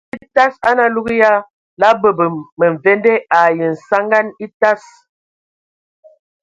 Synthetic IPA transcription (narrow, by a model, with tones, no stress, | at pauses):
i˦ta˦sa˦na˨lu˦ɡi˦ja˦ | la˦bə˨bə˨mə˨ɱ˨vɛ˦ndɛ˦a˨jə˨n̩˨sa˦ŋɡa˦ni˦ta˦s